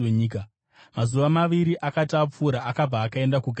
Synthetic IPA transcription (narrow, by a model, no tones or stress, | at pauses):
eɲiːka | mazuʋamaʋiɾiʔakatap͡fuɾaːkab͡vaːkae̞ndakuɡʱa